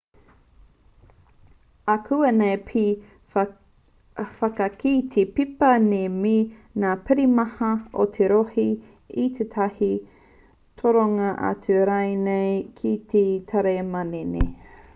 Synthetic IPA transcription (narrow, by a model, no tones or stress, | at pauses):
ɐkʰuɐnejpʰ | fɐkɐkit̪ʰepipɐneminaːpɪɾimɐhɐot̪ʰeɾohi | it̪ʰet̪ʰɐhi | t̪ʰoɾoŋɐʔɐ̰t͡sʉɐɾajnejkʰit̪ʰet̪ʰɐɾemɐnenḛ